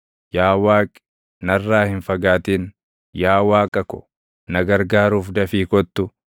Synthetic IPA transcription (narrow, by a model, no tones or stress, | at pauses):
jaːwaːkʼɪ̥ | nɐrːaːhɪnfɐɡaːt̪iːn | jaːwaːkʼɐkʊ̥̰ | nɐɡɐɾɡaːɾuːfd̪ɐfiːkɔt̪ːʊ